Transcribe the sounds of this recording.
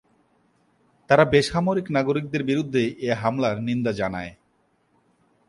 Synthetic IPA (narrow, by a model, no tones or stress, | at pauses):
t̪aɾabeʃamoɾiknaɡoɾik̚d̪eɾbiɾud̪ʱːeʔeɦamlaɾnind̪ad͡ʑanae